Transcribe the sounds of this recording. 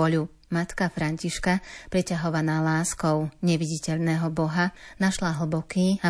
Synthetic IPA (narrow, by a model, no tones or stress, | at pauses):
ɔʎu | mat̪kafɾaɲciʃkapɾɛcaɦɔʋanalaːskɔʊɲɛʋiɟicɛʎnɛːɦɔbɔɦanaʃlaɦl̩bɔkiːa